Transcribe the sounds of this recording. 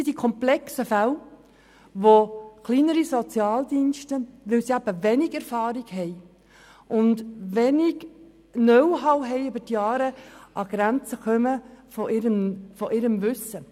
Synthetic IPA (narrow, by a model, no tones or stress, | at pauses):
id̥ikʰɔmplɛksəfæl | ʋokliːnəɾisɔt͡sjɑːld̪inʃtəʋɪlsiæb̥əʋɛnɪɡɛɾfɑːɾɪɡhɛɪ | ʔʊndʋɛnɪɡ | nœwɦɑwɦɛɪybətjɑːɾəʔɑɡ̥ɾænt͡səkœməfɔʔɪɾənfɔʔɪɾəmʋʏsə